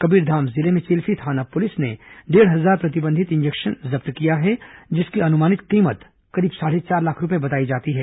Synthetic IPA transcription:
kɐbiːɾd̪ʱaːmzɪlemẽt͡ʃeːlfit̪ʰaːnapʊlɪsneɖeːɽɦɐzaːɾpɾɐt̪ɪbə̃nd̪ʱɪt̪ɪ̃nd͡ʒekʃənzɐbt̪kijaɦɛd͡ʒɪskiɐnʊmaːnɪt̪qiːmət̪ | kɐɾiːbsaːɽet͡ʃaːɾlaːkʰɾʊpebɐt̪aːid͡ʒaːt̪iɦɛː

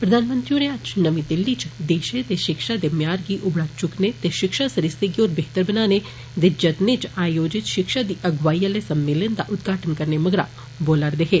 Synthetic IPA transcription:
pɾɐd̪ʱaːnmə̃nt̪ɾinead͡ʒnəʋĩd̪ɪlːit͡ʃd̪eːʃet̪eʃɪkʃad̪emjaːɾɡiʔʊbɽakt͡ʃʊknet̪eʃɪkʃasɐɾɪseɡioːɾbeɦt̪əɾbənaːne | d̪ed͡ʒɐt̪net͡ʃaːjoːd͡ʒɪt̪ʃɪkʃad̪iʔɐɡʋaːiəlesɐmːeːlənd̪a̰ʔʊd̪ɡʱaːʈənkɐɾneməɡɾa̰ | boːlaɾd̪eɦeː

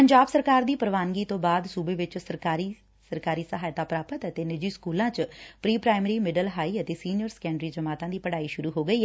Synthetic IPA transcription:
pəɲd͡ʒaːbsəɾkaːɾd̪iːpəɾʋaːnɡiːt̪õːbaːd̪suːbeːʋɪt͡ʃsəɾkaːɾiː | səɾkaːɾiːsəɦaːjt̪aːpɾaːpət̪ət̪eːnɪd͡ʒiːskuːlãːt͡ʃpɾiːpɾaːɪmɾiːmɪɖəlɦaːiːət̪eːsiːnjəɾskɛ̃ːɳɖɾiːd͡ʒəmaːt̪ãːd̪iːpəɽaːiːʃʊɾuːɦoːɡəiːɛ

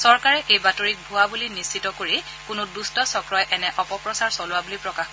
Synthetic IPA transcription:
sɔɹkaɹɛʔejbatoɹik̚bʱʊwabulinisːitɔkoɹi | kʊnʊdustɔsɔkɹɔjʔɛnɛʔɔpɔpɹɔsaɹsɔlʊabulipɹɔkax

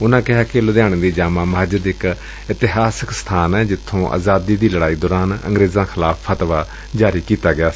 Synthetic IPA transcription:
ʊnãːkɪɦaːkɪlʊd̪jãːɽ̃d̪iːd͡ʒaːmãːməɦd͡ʒəd̪ɪk | ɪt̪ɪɦaːsɪkst̪ʰaːnɛːd͡ʒɪt̪ʰːõːʔa̰ːzaːd̪iːd̪iːləɽaːiːd̪ɔːɾaːnə̰̃ŋɡɾeːzãːkʰɪlaːpʰːət̪ʋaː | d͡ʒaːɾiːkiːt̪aːɡɪaː

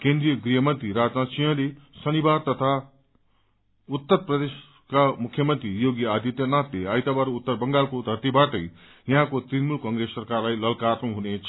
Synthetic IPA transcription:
kẽnd̪rijʌɡriɦʌmʌnt̪riɾad͡znasijʌ̃lesʌnibaɾt̪ʌt̪ʰa | ut̪ːʌɾprʌd̪es | kamukʰjʌmʌnt̪rijoɡiad̪jʌt̪jʌnat̪leajt̪abaɾut̪ːʌrbʌŋɡalkod̪ʱʌrt̪ibaʈʌj | jʌɦãkot̪rinmulkʌŋɡɾesːʌrkarlajlʌlkarnuɦunet͡sʰ

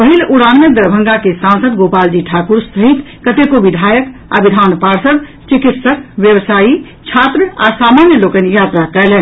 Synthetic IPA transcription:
pəɦiluɽanmed̪əɾbʱə̃ŋɡakesãnsəd̪ɡopald͡ʒiʈʰakuɾsəɦit̪ | kət̪ekobid̪ʱaːjəka̰bid̪ʱanpaɾsəd̪ | t͡ʃikit̪səkʋjəbsaːi | t͡ʃʰat̪ɾəasamanjəlokənjat̪ɾakɛlɛn

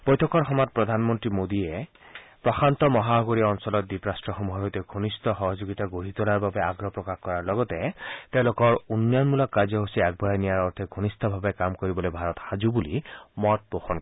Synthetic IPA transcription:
b̥ɔjt̪ʰɔkɔɾxɔmat̪̚pɾɔd̪ʱanmɔnt̪ɾimod̪iepɾɔxʰant̪ɔmɔɦaɦɔɡoɾiɔnsɔlɔt̪̚d̪ipɾasʈɾɔxɔmuɦɔɦot̪eɡʱonist̪ɔxɔɦɔd͡ʒoɡit̪aɡoɦit̪ɔlaɾbabeaɡɾɔpɾɔkaxkɔɾaɾlɔɡɔt̪et̪ew̃lokɔɹunːjɔnmulɔkːad͡ʒɔɦosiak̚bʱɔɔnijaɾɔɾt̪ʰiɡʱonist̪ɔbʱabekamkɔɾibɔlobʱaɾɔt̪xad͡ʒubulimɔt̪̚poxɔnk

